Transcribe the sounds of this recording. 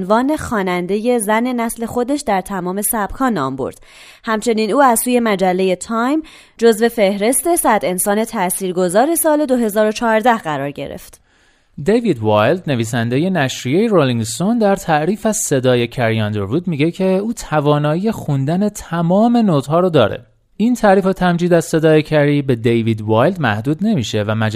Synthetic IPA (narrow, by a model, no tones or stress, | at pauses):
nvɒːne̞xɒːnænd̪e̞je̞zæne̞næsle̞xo̞d̪e̞ʃd̪æɾt̪ʰæmɒːme̞sæb̥kʰɒːnɒ̰ːmbo̰ɾd̪̥ | hæmt͡ʃʰe̞niːnuːæzsuːje̞mæd͡ʒælːe̞je̞t̪ʰɒjm | d͡ʒo̞zve̞fe̞hɾe̞st̪e̞sæd̪e̞nsɒːne̞t̪ʰæsiːɾɡo̞zɒːɾe̞sɒːle̞d̪oɦe̞zɒːɾo̞t͡ʃʰɒːɾd̪æhɢæɾɒ̰ːɾɟe̞̰ɾḛft̪ | d̪evid̪vɒjld̪ne̞viːs̬ænd̪e̞je̞næʃɾijejeɾoliŋst̪o̞nd̪æɾt̪ʰæʔɾiːfæz̥se̞d̪ɒːje̞cʰæɾiɒnd̪eɾvuːd̪miɟe̞cʰe̞uːt̪ʰævɒːnɒːjije̞xund̪æne̞t̪ʰæmɒːme̞noːt̪hɒːɾod̪ɒ̰ːɾḛ | int̪ʰæʔɾiːfot̪ʰæmd͡ʒiːd̪æz̥se̞d̪ɒːjecʰæɾiːbe̞d̪ejviːd̪vɒːjld̪mæhd̪uːd̪ne̞miʃe̞væmæd͡ʒ